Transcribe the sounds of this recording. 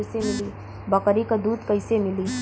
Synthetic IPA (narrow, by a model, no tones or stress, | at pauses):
semɪli | bɐkɾikad̪uːd̪kɐɪsemɪliː